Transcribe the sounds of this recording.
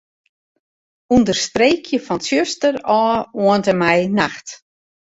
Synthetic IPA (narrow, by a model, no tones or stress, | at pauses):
undərstreːkʰjəfɔnsjøstərɔːoəntəmɛjnaxt